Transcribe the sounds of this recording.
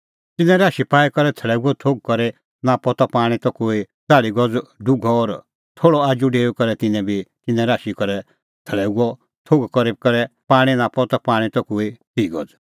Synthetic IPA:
t̪ɪnɛ̃ɾaːʃipaːikɔɾɛt̪ʰəɭɛːuɡɔt̪ʰoːɡ̚kɔɾɛ | napɔt̪ɔpaːɽ̃it̪ɔkoːi | t͡saːɭiɡɔd͡zɖʊɡʱɔɔːɾ | t̪ʰoːɭɔaːd͡ʒuɖeːukɔɾɛt̪ɪnɛ̃bʱit̪ɪnɛ̃ɾaːʃikɔɾɛ | t̪ʰəɭɛːuɡɔ | t̪ʰoːɡkɔɾikɔɾɛpaːɽ̃inapɔt̪ɔpaːɽ̃ĩt̪ɔkoːit̪iːɡɔd͡z

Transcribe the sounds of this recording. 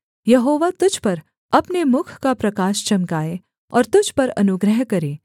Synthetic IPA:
jɐɦoːʋat̪ʊd͡ʒʱpɐɾ | ɐpnemʊkʰkapɾɐkaːʃt͡ʃɐmkaːe | ɔ̰ːɾt̪ʊd͡ʒʱpɐɾɐ̰nʊɡɾəɦkɐɾeː

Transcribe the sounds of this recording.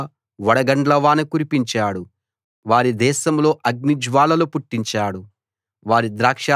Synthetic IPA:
ʋɐɽɐɡɐɳɖlɐʋaːnɐkuɾipiɲt͡ʃaːɽu | ʋaːɾid̪ɛːʃɐmlo̞ːʔɐɡnid͡ʒʋaːlɐlupuʈːiɲt͡ʃaːɽu | ʋaːɾid̪ɾaːkʂaː

